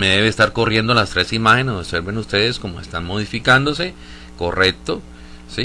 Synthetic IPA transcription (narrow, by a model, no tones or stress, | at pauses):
me̞ðe̞βeːst̪aɾko̞rje̞nd̪olast̪ɾe̞simaxenesoβse̞ɾbenust̪e̞ðesko̞moest̪anmo̞ð̞ifikand̪o̞se̞ | ko̞re̞k̚t̪o̞ | si